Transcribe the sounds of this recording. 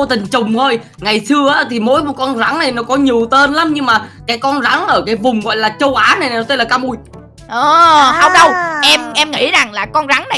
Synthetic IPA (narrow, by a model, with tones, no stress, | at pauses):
t̪ï˨˩ŋ̟t͡ɕʊ˨˩ŋ͡mt̪ʰo˧j | ŋa˨˩jsɨ˧əʔaː˨˦t̪ʰi˨˩mo̰˨˦jo˨˦kɔ˧nza˨˦ŋna˨˩jnɔ˨˦kɔ˨˦ɲi˨˩əwt̪e˧nla˨˦mɲɨ˧ŋmaː˨˩kaː˨˦jkɔ˧nza˨˦ŋʔəː˧˩kaː˨˦jvʊ˨˩ŋ͡mɣɔ̰˧˨jlaː˨˩t͡ɕə˧wʔaː˨˦na˨˩jna˨˩nɔ˨˦t̪ə˧laː˨˩kaː˧mʔu˧j | ʔəː˨˩hə˧wŋ͡mɗə˧wʔɛ˧mʔɛ˧mŋḭ˧˥za˨˩ŋlaː˨˩kɔ˧nza˨˦ŋna˨˩˨